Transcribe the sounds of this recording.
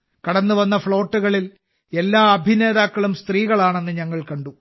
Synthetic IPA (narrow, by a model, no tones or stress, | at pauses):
kɐɽɐnːuʋɐnːɐfɭo̞ːʈːuɣɐɭil | e̞lːaːɐbʱine̞ːðaːkːɐɭumst̪riːɣɐɭaːɳe̞nːɨɲɐŋːɐɭkɐɳɖu